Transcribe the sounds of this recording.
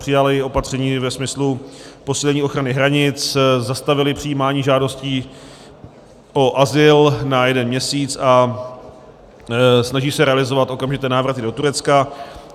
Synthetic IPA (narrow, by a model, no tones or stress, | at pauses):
r̥ɪjalɪo̞pat̪r̥ɛɲiːvɛsmɪslupo̞siːlɛɲiːʔo̞xɾanɪɦɾaɲɪt͡szast̪avɪlɪpr̥ɪjiːmaːɲiːʒaːdo̞sciː | ʔo̞ʔazɪlnajɛdɛnmɲɛsiːt͡sa | snaʒiːsɛɾɛalɪzo̞vat̪ʔo̞kamʒɪt̪ɛːnaːvɾat̪ɪdo̞t̪uɾɛt͡ska